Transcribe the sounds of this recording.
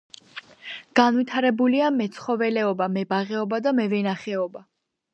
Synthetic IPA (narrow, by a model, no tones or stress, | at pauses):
ɡ̥anvit̪ʰaɾɛbuliamɛt̪sʰχɔvɛlɛɔbamɛbaʁɛɔbad̪amɛvɛnaχɛɔba